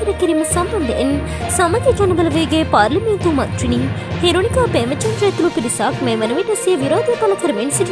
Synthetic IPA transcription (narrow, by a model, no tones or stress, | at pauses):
ɐɾɐkiɾimɐsɐmbɐnd̪ḛn | sɐmɐd̪jɐd͡ʒɐnɐbɐlɐʋeːɡeːpaːɾlɐment̪umɐ̰nt̪ɾini | heːɾoːnikaːbeːmɐt͡ʃɐnɾɐːt̪ulupiɾisaːkmeːmɐnuʋenɐsijɐʋiɾaːd̪ɐkɐlɐkʰɐɾmensi